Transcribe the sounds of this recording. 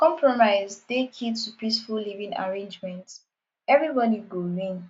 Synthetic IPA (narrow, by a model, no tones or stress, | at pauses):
kɔ̃mpʰɹɔmaɪzdekʰitupisfullivĩŋa̰ɹẽnd͡ʒmɛ̃nt | ɛvɹibɔdiɡoɹĩn